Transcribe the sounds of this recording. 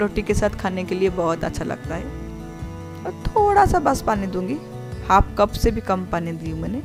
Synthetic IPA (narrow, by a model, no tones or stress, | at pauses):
ɾoːʈikesaːt̪ʰkʰaːnekeliebɔɦʊt̪ə̰tːʃʰalɐ̰ɡ̚t̪aɦɛː | ɔːɾt̪ʰoːɽasabɐspaːnid̪ũːŋɡi | haːp̚kɐbsebʱikɐmpaːnid̪iːũmɛːne